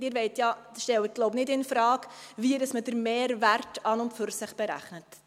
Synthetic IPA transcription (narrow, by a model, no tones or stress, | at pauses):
dɪːɾʋɛɪtjɑʃtɛlət̚ɡloʊpnɪdɪnfɾɑːkviəɾəsmədəɾmeːɾvæɾtɑnʊntfʏɾsɪχb̥ɛɾæ̰χnət